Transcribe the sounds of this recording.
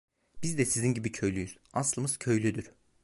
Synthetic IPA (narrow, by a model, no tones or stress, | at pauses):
b̥izd̪ɛsizinɟibicʰø̞jlʲyjyz̥aslˠɯmɯz̥cʰø̞jlʲyd̪yɾ̥